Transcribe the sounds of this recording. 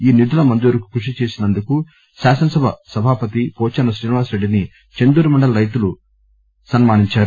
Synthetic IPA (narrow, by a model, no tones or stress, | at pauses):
iːnid̪ulɐmɐnd̪uːɾuku̥kɾuʂit͡ʃeːsinɐnd̪uku | saːsɐnɐsɐbʱɐ̰sɐbʱaːpɐt̪ipɔːt͡ʃɐnɐsɾiːniʋaːsɾe̞ɖːini | t͡ʃe̞nd̪uːɾumɐɳɖɐlɐɾɐjt̪ulu | sɐnmaːniɲt͡ʃaːɾu